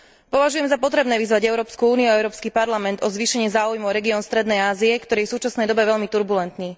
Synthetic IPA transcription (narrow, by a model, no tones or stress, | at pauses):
pɔʋaʒujɛmzapɔt̪ɾɛbnɛːʋizʋaɟɛʊɾɔːpskuuːniuaɛʊɾɔːpskipaɾlamɛnd̪ɔzʋiːʃɛɲɪɛzaːujmuʊɾɛɡiɔːnst̪ɾɛd̪nɛjaːziɛkt̪ɔɾiːjɛfsuːt͡ʃasnɛjd̪ɔbɛʋɛʎmit̪uɾbulɛnt̪niː